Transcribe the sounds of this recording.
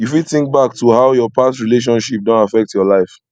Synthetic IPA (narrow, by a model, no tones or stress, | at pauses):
jufidθĩŋk̚baktuhaʊjɔpastɹileʃ̬ɔ̃nʃip̚dɔ̃ntafɛk̚tjɔlaɪf